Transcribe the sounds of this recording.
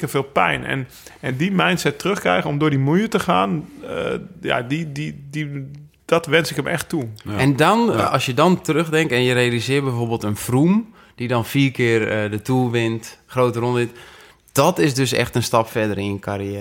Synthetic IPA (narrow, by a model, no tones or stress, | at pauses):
kəfɪːlˠpɛ̰jnɛ̰n | ɛndimɛjnsɛtrøxkrɛ̰jɣənomdʊːdimujətəxaːn | ja̰dididi | d̥ɔtʋɛnsɪkəmʔɛ̰xtuɛndɔnɔsjədɔntərøxdɛŋk̚tɛnjərejalˠizɪərbɛjfoːbeːlˠtənfrum | d̥idɔnfiːkʰɪərədətʰuːʋɪntxroːtəronʋɪt | d̥ɔtɪsdøsɛ̰xtənstɑpfɛdəɾiənkʰariɛː